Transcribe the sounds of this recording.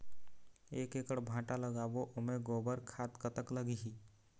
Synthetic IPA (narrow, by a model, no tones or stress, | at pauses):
eːkeːkəɽbʱãːʈaləɡaːboʔʊmẽɡoːbəɾkʰaːt̪kət̪əkləɡiɦiː